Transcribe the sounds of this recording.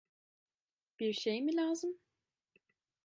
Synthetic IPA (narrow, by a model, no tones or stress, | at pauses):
b̥iɾʃejmilʲaːzɯm